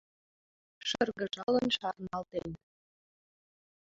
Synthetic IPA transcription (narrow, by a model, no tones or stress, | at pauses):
ʃərɣə̆ʒɑlə̆nʃɑrnɑlˠt̪en